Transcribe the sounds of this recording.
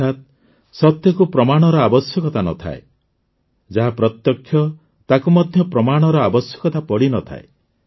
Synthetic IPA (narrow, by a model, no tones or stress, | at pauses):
at̪ | sɔt̪jɔkupɾɔmaɽ̃ɔɾɔabɔsjɔkɔt̪anɔ̰t̪ʰa̰e | d͡ʒaɦapɾɔt̪jɔkʰːjɔ | t̪akumɔd̪ʱjɔpɾɔmaɽ̃ɔɾɔabɔsjɔkɔt̪apɔɽinɔt̪ʰa̰e